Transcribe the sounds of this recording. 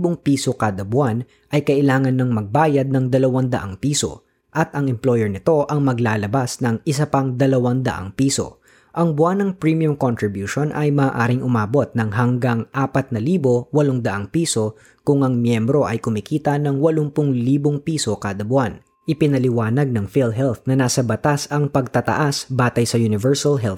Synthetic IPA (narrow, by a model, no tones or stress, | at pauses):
boŋpiːso̞kaːd̪ɐbʊan | ʔɐjkɐʔɪlaːŋɐnːɐŋmɐɡ̚baːjɐd̪̚nɐŋd̪ɐlɐwand̪ɐʔa̰ŋpiːso̞̰ | ʔɐt̪̚ʔɐŋɛmplo̞jɛɹnɪt̪o̞ʔɐŋmɐɡlaːlɐbasnɐŋɪsɐpɐŋd̪ɐlɐwand̪ɐ̰ʔa̰ŋpiːso̞̰ | ʔɐŋbʊanɐŋpɹimiʊmkont̪ɾɪbjuːʃo̞nʔɐ̰jmɐːʔaːɾɪŋʔʊmaːbo̞t̪̚nɐŋɦɐŋɡaŋʔaːpɐt̪̚nɐliːbo̞wɐloŋd̪ɐʔaŋpiːso̞ | kʊŋɐŋmjɛmbɾo̞ʔɐjkʊmikiːt̪ɐnɐŋwɐloŋpʊŋliːboŋpiːso̞kaːd̪ɐbʊan | ʔɪpɪnɐlɪwaːnɐɡ̚nɐŋfilɦɛlθnɐnaːsɐbɐt̪asɐŋpɐɡ̚t̪ɐt̪ɐ̰ʔasbaːt̪ɐjsɐjunɪvɛɹsɐlɦɛl